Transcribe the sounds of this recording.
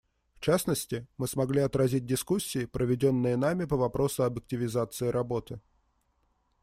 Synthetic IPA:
ft͡ɕasnəsʲtʲɪmɨsmɐɡlʲiɐt̪ɾɐzʲit̚ʲdʲɪskusʲːɪːpɾəvʲɪdʲo̞nːɨjənamʲɪpəvɐpɾʔo̞sʊɐbjɪk̚tʲɪvʲɪzat̪sɨɪɾʔɐbo̞t̪ɨ

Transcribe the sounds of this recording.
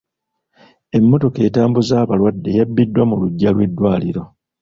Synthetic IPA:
e̞mːo̞to̞ke̞ːtaːmbuzaːβalwadːe̞jabːidːwamuluɟːalwe̞dːwaːliɾo̞

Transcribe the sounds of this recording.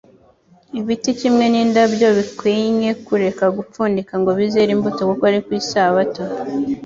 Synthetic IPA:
iβiticimŋe̞niːndabɟo̞βikwiːɲe̞kuɾe̞kaɡup͡fuːndikaŋɡo̞βize̞ɾimbutokokoaɾikwiːsaβato

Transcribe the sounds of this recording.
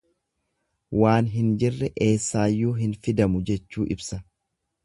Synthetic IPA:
waːnɦɪnd͡ʒɪrːɛʔe̞ːsːaːjːuːɦɪnfɪd̪ɐmʊd͡ʒɛt͡ʃːuːʔɪbsɐ

